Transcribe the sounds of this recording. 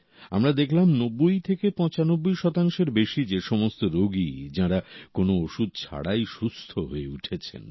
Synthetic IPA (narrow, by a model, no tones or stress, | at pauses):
a̰mɾad̪ekʰlamnobːojt̪ʰekepɔ̃t͡ɕanobːojʃɔt̪aŋʃeɾbeʃid͡ʑeʃɔmost̪oɾoɡid͡ʑaɾakonooʃud̪̚t͡ɕʰa̰ɽajʃust̪ʰoɦoeuʈʰet͡ɕʰḛn